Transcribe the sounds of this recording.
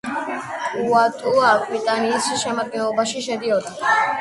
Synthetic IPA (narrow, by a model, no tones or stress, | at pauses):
uwaːt̪ʼuait̪aniːsiʃɛmɐkeobɐʃiʃed̪ijot̪ɐ